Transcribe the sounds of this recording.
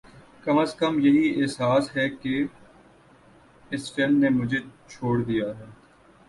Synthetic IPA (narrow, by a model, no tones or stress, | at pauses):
kɐməskəmjɐɦiɛːsaːsɦɛke | ɪsfɪlmnemʊd͡ʒʱet͡ʃʰoːɽd̪ijaɦɛː